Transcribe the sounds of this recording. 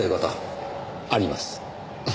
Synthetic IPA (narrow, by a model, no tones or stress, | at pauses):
eɡat̪a | aɾʲima̰sɨ̥